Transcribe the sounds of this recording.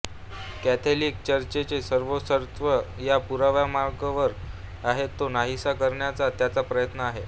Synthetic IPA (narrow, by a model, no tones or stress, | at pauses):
kæt̪ʰeliːkt͡ɕəɾt͡ɕet͡sesəɾʋosəɾt̪ʋəjapuɾaʋjamaɾɡəʋəɾaɦet̪ːonaɦisakəɾɳjat͡sat̪jat͡sapɾəjət̪nəaɦe